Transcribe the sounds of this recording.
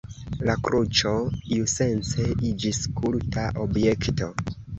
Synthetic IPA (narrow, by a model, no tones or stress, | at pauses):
lakɾut͡ʃo̞iuse̞nt͡seid͡ʒiskʰultaʔobje̞kto̞